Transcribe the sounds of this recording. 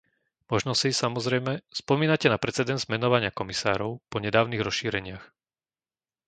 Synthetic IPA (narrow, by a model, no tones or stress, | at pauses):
mɔʒnɔsisamɔzɾɛjmɛspɔmiːnacɛnapɾɛt͡sɛd̪ɛnd̪zmɛnɔʋaɲɪakɔmisa̰ːɾɔʊpɔɲɛd̪aːʊniɣɾɔsʃiːɾɛɲɪax